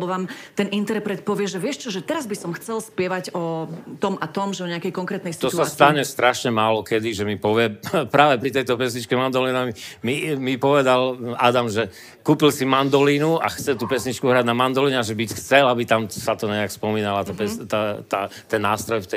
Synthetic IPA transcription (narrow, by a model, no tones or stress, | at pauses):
bɔʋaːmt̪ɛnint̪ɛɾpɾɛt̪̚pɔʋɪɛʒɛʋɪɛʃt͡ʃɔʒɛt̪ɛɾazbisɔmxt͡sɛlspɪɛʋaɟɔt̪ɔmʔat̪ɔmʒɛɔɲɛakɛjkɔŋkɾɛːt̪nɛjsit̪ɔtːsast̪aɲɛst̪ɾaʃɲɛmaːlɔkɛd̪iʒɛmipɔʋɪɛpɾaːʋɛpɾit̪ɛjt̪ɔpɛsɲit͡ʃkɛmand̪ɔlinamimimipɔʋɛd̪alad̪amʒɛ | kuːpilsimand̪ɔliːnua̰xt͡sɛt̪uːpɛsɲit͡ʃkuɦɾaɟnamand̪ɔliɲɛaʒɛbicxt͡sɛlabit̪amsat̪ɔɲɛakspɔmiːnalat̪apɛst̪at̪at̪ɛnːaːst̪ɾɔjft̪ɛ